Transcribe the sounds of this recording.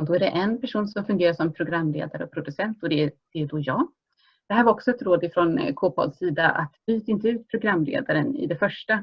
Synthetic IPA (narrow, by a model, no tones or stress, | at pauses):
d̪ɔæɖɛʔɛnpæʂuːnsɔmfɵnɡeːɾaʂɔmpʰɾʊɡɾamːlḛːd̪aɾəɔpʰɾʊd̪ɵsɛnt̪ɔd̪ɛd̪̥ɛd̪ɔjɑːɡ | d̪̥ɛɦæɾvaɾɔksɔɛt̪ɾoːd̪ɪfɾɔnkʰoːpʰɔ̰d̪siːd̪aʔa̰t̪byːt̪aɪnt̪əʉ̟ːt̪̚pʰɾʊɡɾamːlḛːd̪aɾənɪ̰d̪ɛfœʂʈa